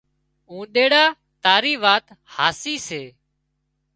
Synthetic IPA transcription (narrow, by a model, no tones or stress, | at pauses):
ũːɗ̪eːɽaː | t̪aːɾiːʋaːt̪ | haːsiːseː